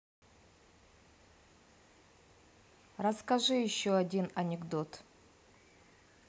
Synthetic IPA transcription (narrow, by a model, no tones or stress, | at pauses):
rɐskɐʐɨjɪɕːoɐdʲinɐnʲɪɡd̪o̞t̪